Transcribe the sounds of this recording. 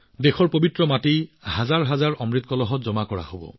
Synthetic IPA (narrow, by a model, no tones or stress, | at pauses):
dexɔɹpobitɹɔmatihazaɹɦazaɹɔmɹit̪̚kɔlɔɦɔtzɔmakɔɹa̰hobɔ̰